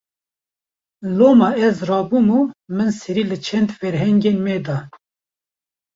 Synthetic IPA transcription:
loːmɑɛzrɑːbuːmumɨnsɛɾiːlɨt͡ʃʰɛnd̪fɛɾɦɛŋɡeːnmɛd̪ɑ

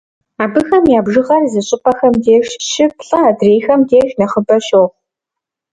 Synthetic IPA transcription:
aːbɨxɐmjaːbʒɨʁɐrzɨɕʼɪpʰʼɐxɐmdeːʒʃɪpɬʼɐdreːjxɐmdeːʒnɐχəbɐʃoːχ

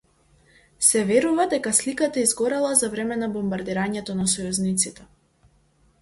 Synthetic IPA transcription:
sɛvɛɾuvad̪ɛkaslikat̪aizɡɔɾɛlˠazavɾɛmɛnabɔmbaɾd̪iɾaɲɛt̪ɔnasɔjuznit̪sit̪ɛ

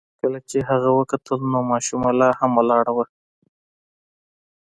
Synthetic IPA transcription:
kəlat͡ʃeɦaɣawəkat̪ʰəlnomɑʃumalɑhamwalɑɽawa

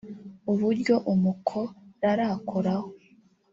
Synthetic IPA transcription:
uβuɾɟo̞ʔumukʰo̞ɾaɾakʰoɾaho

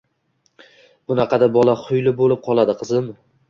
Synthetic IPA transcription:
b̥ʊnɑqʰɑd̪abɒlˠaχʰʊjlɪbolɪp̚qʰɒlˠad̪ɪqʰɨzɪn

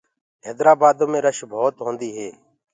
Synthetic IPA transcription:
ɦeːd̪ɾaːbaːd̪õːmẽːɾəʃbʱoːt̪ɦõːnd̪iːɦeː

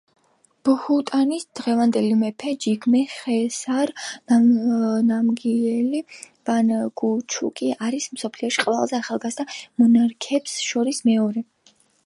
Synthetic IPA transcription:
b̥hut̪ʼanisd̪̥ʁɛvand̪ɛlimɛpʰɛd͡ʒiɡmɛχɛsaɾanamɡiɛli | b̥anɡut͡ʃʰṵkʼiaɾismsɔpʰliɔʃiqʼvɛlˠzɛaχalˠɡazd̪amɔnaɾkʰɛpsʃɔɾismɛɔɾɛ

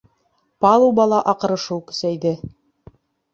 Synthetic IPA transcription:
pɑlˠuwbɑlˠɑʔɑqɤ̆ɾɤ̆ʃuwkɵ̥̆sæjd̪ɘ

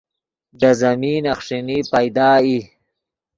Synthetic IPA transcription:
d̪ɐzɐmiːnɐxʂinipajd̪aːi

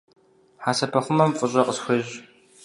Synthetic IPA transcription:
ħaːsɐpʰɐχʷʊmɐmfʼʊɕʼɐqʼəsxʷeːʑ

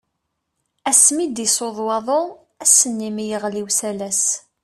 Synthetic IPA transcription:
æsmid̪isoðˤwɑðˤo | æsənːimijəʁliwsælæs

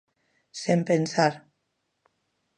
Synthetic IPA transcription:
sempensaɾ

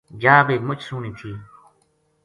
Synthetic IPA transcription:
d͡ʒaːbeːd̪mʊt͡ʃʰsuːnĩːt̪ʰiː

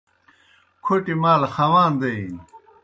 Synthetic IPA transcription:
kʰoʈimaːlɐxɐwaːnd̪ɐi

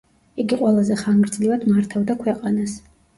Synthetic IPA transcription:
iɡiqʼwɛlˠazɛχanɡɾd̪zlivad̪maɾt̪ʰavd̪akʰwɛqʼanas

